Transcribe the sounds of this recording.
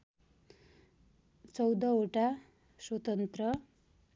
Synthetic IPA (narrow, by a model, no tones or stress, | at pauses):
t͡sʌwd̪ʌoʈa | swʌt̪ʌnt̪rʌ